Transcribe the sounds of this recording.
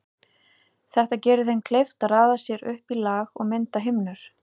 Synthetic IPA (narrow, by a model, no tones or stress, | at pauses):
θɛht̪acɛːɾʏθejnkʰlejft̪aaːðasjɛɾʏhpilaːɣɔ̰ɣmɪnt̪aɦɪmnʏɾ̥